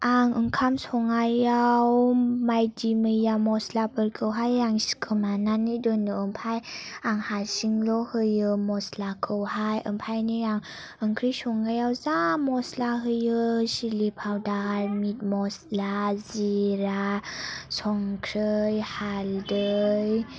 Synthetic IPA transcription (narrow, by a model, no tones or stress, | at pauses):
aŋəŋkʰamsɔŋajawmajdiməjamɔslapʰəɾkʰɯwɦajaŋskʰɯmananidɔnɯəmpʰajaŋhasiŋlɔhɯjɯmɔslakʰɯwhajʔəmpʰajniaŋ | əŋkʰɾijsɔŋajawzamɔslaɦɯjɯsilipʰawdaɾmit̚mɔslaziɾa | sɔŋkʰɾɯjhaldɯj